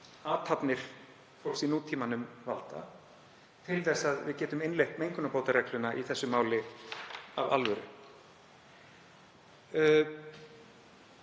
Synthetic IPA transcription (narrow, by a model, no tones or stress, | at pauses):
aːt̪hapnɪɾ̥ | fowlsinuːt̪ʰːiːmanʏmvalt̪a̰ | t̪ʰɪlθɛsːaðvɪ̰ðcɛːt̪ʏmɪnlejhkmejŋkʏnapoːwt̪aɾɛklʏnaʔiθɛsːʏmaːwlɪ | ava̰lvœɾʏ